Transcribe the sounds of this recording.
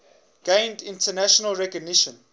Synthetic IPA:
ɡ̥ẽɪ̃ndĩntənæʃɔnəlɹɛkɔɡ̚niʃə̃n

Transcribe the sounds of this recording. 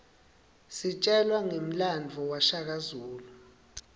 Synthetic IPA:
sit͡ʃʼɛlwaŋem̩land͡vʱɔwaʃak̬azuːlu

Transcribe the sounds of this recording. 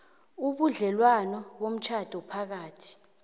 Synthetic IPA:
uɓuɮɛlwanɔɓom̩t͡ʃʰad̥ʱɔpʰak̬aːtʰi̥

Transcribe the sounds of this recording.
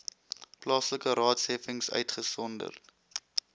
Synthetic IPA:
plɑːsləkəɾɑːtshɛfəŋsœ̰ɥtχəsɔndə̰rt

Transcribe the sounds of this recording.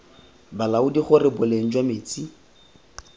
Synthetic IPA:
balaʊdiχʊrɪbʊleŋ̩d͡ʒwamɪːt͡si

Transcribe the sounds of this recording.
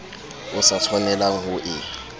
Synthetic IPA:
ʊsat͡sʰwɔnɛlaŋhʊʔɪ

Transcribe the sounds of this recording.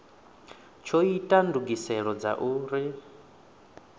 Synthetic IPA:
t͡ʃʰoitʼanduɡisɛɺɔd͡za̰ʔuːɾi

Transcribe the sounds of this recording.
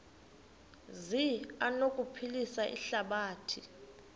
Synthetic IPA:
zianokʼupʰilisaʔḭɬaɓaːtʰi

